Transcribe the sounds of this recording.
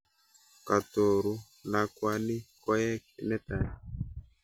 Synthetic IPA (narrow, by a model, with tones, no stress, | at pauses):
ka˨to˨ɾu˦ | na˨kwa˨ni˦kɔ˦jɛ˦knɛ˦ta˨ni˨